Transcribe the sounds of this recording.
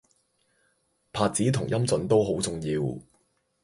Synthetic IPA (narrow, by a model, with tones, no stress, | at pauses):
pʰaː˧t̚t͡siː˨˥t̪ʰʊ˨˩ŋjɐ˥mt͡sɵ˨˥nt̪o˥wɦo˨˥wt͡sʊ˨ŋjiː˧w